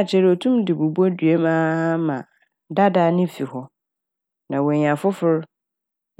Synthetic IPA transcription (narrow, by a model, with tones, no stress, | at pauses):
t͡ɕʰɛ˦ɾɔ˨tʰũ˦mdɪ˨bu˨bu˦ɔ˦dɥe˦mãː˦a˦mã˨ | da˦da˨nɪ̃˦fi˨hɔ˦ | nã˨wɔ˨ɲã˨fʊ˦fʊ˦ɾ